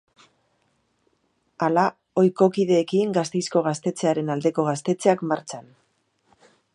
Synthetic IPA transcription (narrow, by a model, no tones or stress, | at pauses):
ala | o̞jko̞kiðe̞ːkiŋɡast̪e̞jsko̞ɣ̞ast̪e̞t͡se̞aɾe̞nald̪e̞ko̞ɣast̪e̞t͡se̞akmaɾt͡san